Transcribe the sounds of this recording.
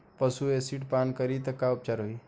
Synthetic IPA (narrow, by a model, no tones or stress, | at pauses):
pəsuesiʈpankəɾit̪əkaup̚t͡ʃaɾɦoi